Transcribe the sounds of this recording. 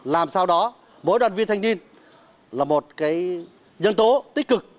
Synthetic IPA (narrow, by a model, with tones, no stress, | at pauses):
laː˨˩msa˧wɗɔ˨˦ | mo˨˦jɗwaː˨˩nvi˧nt̪ʰa˧jŋ̟ni˧ən | laː˨˩mo˨˩t̚kaː˨˦j | ɲə˧nt̪o˨˦t̪ï˦˥k̟̚kɨ˨˩k̚